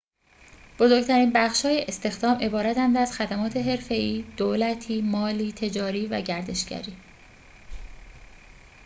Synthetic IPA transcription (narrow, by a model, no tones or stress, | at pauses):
b̥o̞zoɾɡt̪ʰæɾiːnbæχʃhɒːjeʔest̪e̞xd̪ɒːmʔe̞bɒːɾæt̪ænd̪æzxæd̪æmɒːt̪ʰe̞ɦe̞ɾfe̞iːd̪̥oːlæt̪ʰiːmɒːliːt̪ʰe̞d͡ʒɒːɾiːvæɟæɾd̪e̞ʃɟæ̰ɾiː